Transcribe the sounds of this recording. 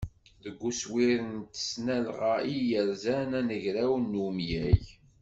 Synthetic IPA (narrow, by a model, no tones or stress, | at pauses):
ðəɡʷːuswiɾənt̪ə̥snælʁaijəɾzænænəʝɾæwnːumjæʝ